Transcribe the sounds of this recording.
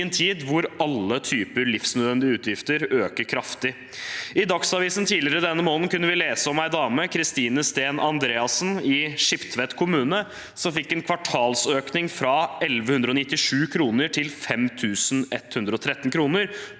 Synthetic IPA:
ənt̪ʰiːd̪ʋʊɾɑlːət̪ʰyːpəɾɭɪfsnœd̪ʋɛnd̪ɪəʉːt̪ʰjɪft̪əɾøːkəɾkʰɾɑft̪ɪ | ɪd̪ɑksɑʋiːsənt̪ʰiːlɪəɾəd̪ɛnːəmoːnn̩kʉnːəʋɪleːsəɔmæɪd̪ɑːməkʰɾɪst̪iːnəst̪eːnʔɑnd̪ɾeːɑsn̩ɪʂɪpt̪ʰʋɛt̪kʰʊmʉːnə | sɔmfɪkːɛnkʰʋɑʈʰɑːlsøːknɪŋfɾɑɛlʋəhʉnd̪ɾɔnɪt̪ːɪʂʉːkʰɾuːnəʈʰɪlfɛmt̪ʰʉːsn̩ɛt̪ːhʉnd̪ɾəɔt̪ʰɾɛt̪ːnkʰɾuːnəɾ

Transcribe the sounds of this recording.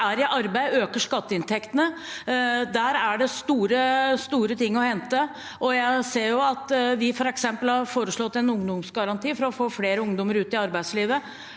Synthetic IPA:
æɾɪʔɑɾbæɪøːkəʂkɑt̪ːəɪnt̪ʰɛkt̪ənə | d̪æːɾæɖɛst̪uːɾəst̪uːɾət̪ʰɪŋːɔhɛnt̪ə | ʔɔjæɪseːɾjʊɑt̪ʋɪfɔɾɛksɛmpəlhɑɾfoːɾəʂɭɔt̪ːɛnʊŋd̪ʊmsɡɑɾɑnt̪ʰiːfɔɾɔfoːfleːɾəʊŋd̪ɔməɾʉːt̪ɪɑɾbæɪsliːʋə

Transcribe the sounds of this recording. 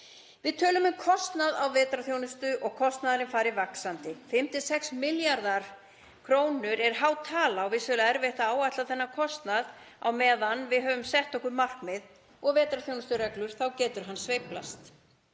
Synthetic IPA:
vɪðt̪ʰœːlʏmʏmkʰɔst̪naðawvɛːt̪ɾaθjownʏst̪ʏʔɔɣkʰɔst̪naðaɾɪnfaːɾɪvaksant̪ɪfɪm̥t̪ɪsɛksmɪljaɾðaɾ̥ | kʰɾoːwnʏɾɛɾ̥ɦaːwt̪ʰaːlawvɪðsœlaɛɾvɛht̪aaːwat̪laθɛnːakʰɔst̪nað | a̰wmɛːðanːvɪðɦœːvʏmsɛht̪ɔkʏɾmar̥kmɪð | ɔɣvɛːt̪ɾaθjownʏst̪ʏɾɛklʏɾ̥θawcɛːt̪ʏɾ̥ɦanːsvejplast̪

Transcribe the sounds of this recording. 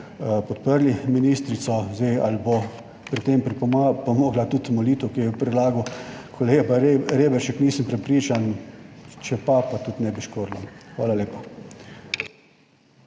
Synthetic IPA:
pɔt̪pəɾliminiːst̪ɾit̪sɔzd̪ejalbo | pɾit̪ːeːmpɾipɔmoːɡlat̪ut̪mɔliːt̪ʊkijɛpɾɛd̪laːɡʊkʰɔleːɡabaɾeːbɛɾʃɛkniːsəmpɾɛpɾiːt͡ʃan | t͡ʃɛpapat̪ut̪nɛbiʃkoːɾlaxʋaːlaleːpa

